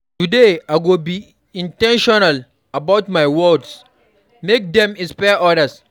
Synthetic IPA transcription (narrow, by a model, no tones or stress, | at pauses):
tudeaɪɡobi | ĩntɛ̃nʃɔnal | abawtmajwɔds | mek̚dɛ̃mĩspɛʔɔɾəs